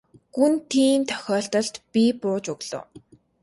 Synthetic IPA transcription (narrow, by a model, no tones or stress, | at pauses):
ɡ̥unt̪ʰiːmt̪ʰœ̥xʲɔːɬt̪ɞ̆ɬt̪pʲipʊːt͡ɕuɣɮʊ̰ː